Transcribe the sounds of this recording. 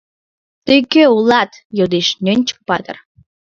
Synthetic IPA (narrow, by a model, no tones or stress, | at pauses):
t̪øjkøulˠɑt̪ | jod̪eʃnʲønʲt͡ɕə̥k̚pɑt̪ə̰̆r